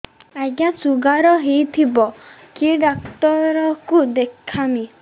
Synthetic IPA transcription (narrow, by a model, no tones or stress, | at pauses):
aɡasuɡaɾɔɦejt̪ʰibɔ | kiɖak̚t̪ɔɾɔkud̪ekʰːami